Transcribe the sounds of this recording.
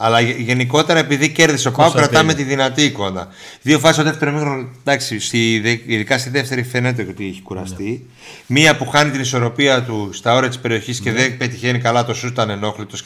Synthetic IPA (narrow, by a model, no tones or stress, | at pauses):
ɐlɐʝe̞niko̞t̪e̞ɾɐe̞piðice̞ɾðisopɐokɾɐt̪ɐme̞t̪iðinɐt̪iko̞nɐ̰ | ðio̞fɐsist̪oðet̪e̞ɾomixɾod̪ɐksist̪iðiðikɐst̪iðeft̪e̞ɾifenet̪ejo̞t̪ieçi̥kuɾɐst̪i | miɐpuxɐnit̪iniso̞ɾo̞piɐt̪ust̪ɐo̞ɾiɐt̪i̥spe̞ɾio̞çisce̞ðebe̞t̪içe̞nikɐlɐt̪o̞sut̪ɐne̞no̞xlit̪o̞s